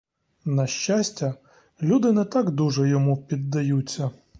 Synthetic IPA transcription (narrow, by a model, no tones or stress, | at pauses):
nɐʃt͡ʃasʲtʲɐ | lʲud̪ɪnɛt̪ɑɡd̪uʒɛjɔmupʲid̪ːɐjut͡sʲːɐ